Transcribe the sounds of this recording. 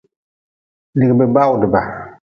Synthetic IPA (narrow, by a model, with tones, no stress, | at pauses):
li˨ɡbɛ˨ba˦wʊ˨dɪ˨ba˨